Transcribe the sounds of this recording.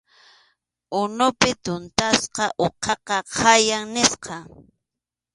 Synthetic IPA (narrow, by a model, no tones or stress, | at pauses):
ʊnʊpɪt̪ʊnt̪asqɑʔoqʰɑqɑqʰajaŋnɪsqɑ